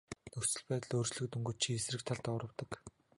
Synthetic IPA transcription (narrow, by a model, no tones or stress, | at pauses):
nɵxsɵ̆ɮpæːt̪ə̆ɮoːrt͡ɕɮɵ̆k̚t̪ɵŋɡɵ̆t͡ɕt͡ɕʰiesrɘ̆kt̪ʰaɮt̪ɔːɾə̆wt̪ə̆k